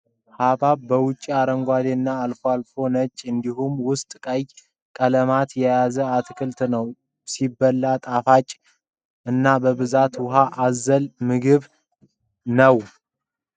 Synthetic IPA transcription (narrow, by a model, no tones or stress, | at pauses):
habaβbəwʊt͡ʃʼːiaɾəŋɡʷad̪enːaːlfoalfo̞nət͡ʃʼːɨnd̪iɦumwʊst̪ʼkʼəj | kʼələmat̪jɛjazəat̪ʰkʰɨlt̪nəw | sibːəlːat̪ʼafat͡ʃʼ | ɨnːabəβɨzat̪wʊɦaʔazəlmɨɡɨβ | nəw